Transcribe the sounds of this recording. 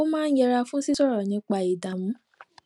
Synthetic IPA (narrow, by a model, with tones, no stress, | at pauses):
o˦mãː˦n̩˦jɛ˧ɾa˧fũ˦si˦sɔ˦ɾɔ˨nĩ˨˦k͡pa˧˨i˨da˨mũ˨˦